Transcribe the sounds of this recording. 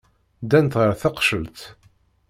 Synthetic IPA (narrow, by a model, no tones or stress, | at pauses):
d̪ænt̪ʁəɾθɑqʃəlt̪